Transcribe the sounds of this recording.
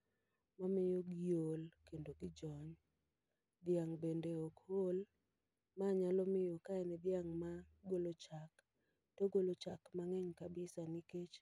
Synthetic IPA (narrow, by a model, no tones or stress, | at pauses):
mamɪjoɡjolkendoɡɪd͡ʒɔɲ | d̪ɪjaŋbendeɔkhol | maɲalɔmɪjokaɛnɪd̪jaŋmaɡolot͡ʃak | toɡolot͡ʃakmaŋɛɲkabɪsanɪket͡ʃ